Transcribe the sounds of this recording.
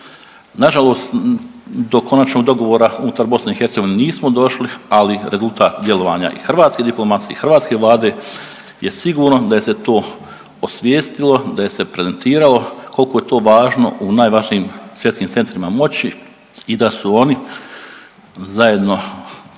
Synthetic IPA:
naʒalˠo̞ːst̪ | d̪o̞ko̞nat͡ʃnoɡd̪o̞ɡo̞ʋoːɾaunut̪aɾbo̞sneixeɾt̪eɡo̞ʋineniːsmod̪o̞ʃlialiɾe̞zulˠt̪aːt̪d̪jelˠo̞ʋaːɲa̰ʔḭxr̩ʋaːt̪sked̪iplˠo̞mat̪jeixr̩ʋaːt̪ske̞ʋlˠaːd̪e̞ | je̞siɡuːɾno̞d̪aje̞se̞t̪o̞ː | osʋjeːst̪ilo̞d̪aje̞se̞pɾe̞ze̞nt̪iːɾalo̞kolkoːje̞t̪o̞ːʋaːʒno̞̰ʔunaːjʋaʒniːmsʋjet̪kiːmt̪se̞nt̪ɾimamo̞t͡ɕi | id̪asuo̞ni | zaje̞d̪no̞

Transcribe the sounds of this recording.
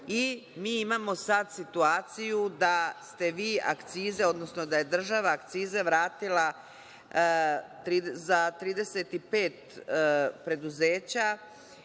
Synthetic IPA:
imiːimamo̞sad̪sit̪uaːt̪sijud̪ast̪e̞ʋiːa̰kt̪siːze̞o̞d̪no̞sno̞d̪aje̞d̪r̩ʒaʋaːkt̪siːzeʋɾaːt̪ila | t̪ɾiːzat̪ɾiːd̪e̞se̞t̪ipe̞ːt̪ | pɾe̞d̪uze̞ːt͡ɕa

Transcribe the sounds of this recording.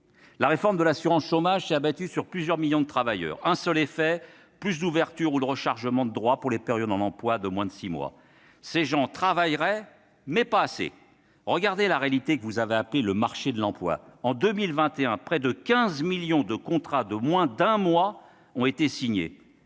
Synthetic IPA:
laʁefɔʁmd̪əlasyʁɑ̃sʃomaʒsɛt̪abat̪ysyʁplyzjœʁmiljɔ̃d̪ət̪χavajœ̰ːʁɛ̃sœlefɛ | plys̬d̪uvɛʁt̪yʁud̪əʁəʃaʁʒəmɑ̃d̪əd̪ʁwapuʁlepeʁjɔd̪ɑ̃nɑ̃plwad̪əmwɛ̃d̪əsimwa̰ | seʒɑ̃t̪χavajʁɛ | mɛpaːsḛ | ʁəɡaʁd̪elaʁealit̪ekəvuzaveapleləmaʁʃed̪lɑ̃plwa̰ɑ̃d̪ømilvɛ̃t̪eɛ̃pχɛd̪əkʲɛ̃zmiljɔ̃d̪əkɔ̃t̪χad̪əmwɛ̃d̪ɛ̃mwa | ɔ̃et̪esiɲḛ

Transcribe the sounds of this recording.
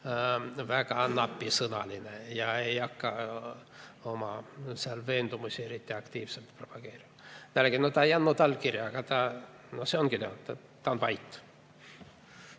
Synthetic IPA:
vækɑnɑpːisɤnɑlinejɑejɑkːɑ | omɑseɑlveːnd̪umusʲieɾit̪ʲːiɑkt̪iːvselt̪propɑɡ̥eːrimɑt̪ælæɡenot̪ɑːejɑnːut̪ɑlːkirjɑkɡɑt̪ɑː | noseoŋɡ̥ineo̰t̪ː | t̪ɑonvɑjt̪ː

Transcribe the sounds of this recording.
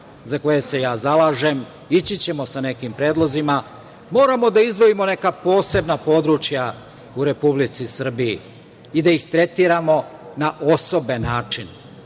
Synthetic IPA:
zako̞jese̞jaːzalaʒem | it͡ɕit͡ɕe̞mo̞sane̞kimpɾe̞ːd̪lˠo̞zima | mo̞ːɾamo̞d̪aizd̪ʋo̞imo̞ne̞kapo̞ːse̞bnapo̞ːd̪ɾut͡ʃja | uɾe̞publit̪sisr̩bijḭː | d̪aixt̪ɾe̞t̪iːɾamo̞naʔoso̞benaːt͡ʂin

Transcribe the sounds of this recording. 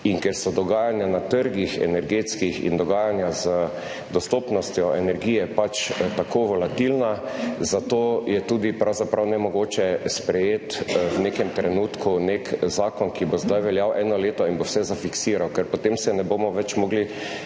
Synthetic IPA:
iŋkɛɾsɔd̪ɔɡaːjanjanat̪əɾɡixɛ̰nɛɾɡeːt̪skixḭnd̪ɔɡaːjanjazə | d̪ɔst̪opnɔst̪jɔʔɛnɛɾɡiːjɛpat͡ʃt̪akoːʋɔlat̪ilnazat̪oːjɛt̪uːd̪ipɾawzapɾawnɛmɔɡoːt͡ʃɛspɾɛjeːt̪wnekɛmt̪ɾɛnuːt̪kʰunekzaːkɔnkibozd̪ajʋɛljawʔɛːnɔleːt̪ɔinbowsɛzafiksiːɾawkɛɾpɔt̪emsɛnɛboːmɔʋɛt͡ʃmɔːɡli

